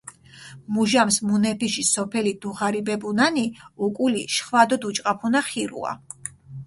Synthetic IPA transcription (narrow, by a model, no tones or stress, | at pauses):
muʒamsmunɛpʰiʃisɔpʰɛlid̪uʁaɾibɛbunaniukʼuliʃχvad̪ɔd̪ut͡ʃʼqʼapʰunaχiɾṵa̰